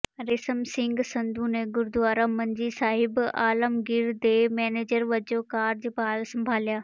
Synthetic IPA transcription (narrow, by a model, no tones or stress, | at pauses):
ɾɪsəmsɪ̃ŋɡsɐ̃nd̪ʱuːnẽɡʊɾd̪ʊʋaːɾãmɐnd͡ʑiːsaːɦɪba̰ːləmɡɪɾd̪eːmɛːneːd͡ʑəɾʋɐd͡ʑokaːɾd͡ʑpaːlsɐ̃mbʱaːlijaː